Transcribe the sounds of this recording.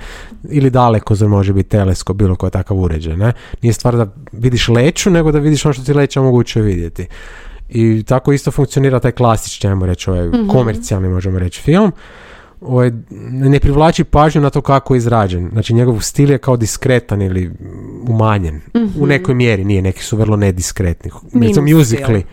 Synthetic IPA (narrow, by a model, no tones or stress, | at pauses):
ilid̪alekozoɾmo̞ʒebit̪ːe̞leskobiːlokojet̪akaʋuɾed͡ʒajnenije̞st̪ʋaːɾd̪a | ʋid̪iʃleːt͡ʃune̞ɡod̪aʋid̪iʃonoʃt̪ot̪ilet͡ʃaomoɡuːt͡ʃioʋid̪je̞t̪i | it̪ako̞ist̪o̞fuŋkt̪sio̞niːɾat̪aːjklˠasi̥t͡ʃniajmoɾe̞t͡ʃo̞ʋajko̞meɾt̪sialˠnimo̞ʒemoɾe̞t͡ɕfilˠm | o̞ʋajnepɾiʋlˠaːt͡ʃipaːʒɲunat̪o̞ːkakojeizɾaːd͡ʒenznaːt͡ʃiɲe̞ɡoʋst̪iljekaod̪iskɾet̪aniliumaɲenune̞kojmjeɾinijene̞ki̥suʋr̩lˠoned̪iskɾet̪ni | ɾeimomjuzikli